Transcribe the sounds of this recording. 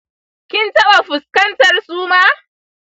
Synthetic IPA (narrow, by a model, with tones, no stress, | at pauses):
kʲɪ˦ntɐ˦ɓa˨ɸʊ˨skɐ˦ntɐ˨rsuː˦maː˦